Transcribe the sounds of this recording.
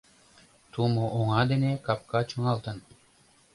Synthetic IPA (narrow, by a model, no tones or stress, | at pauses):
t̪ʰumuʔoŋɑd̪enekɑp̚kɑt͡ʃʰoŋɑlˠt̪ɤn